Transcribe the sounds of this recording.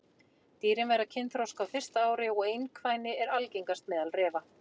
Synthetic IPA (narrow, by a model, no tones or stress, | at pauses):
t̪iːɾɪnvɛɾacʰɪnθɾawskawfɪr̥st̪aaːwɾɪɔɣejnkʰvaːjnɪɛɾalcejŋkast̪̚mɛːðalrɛːva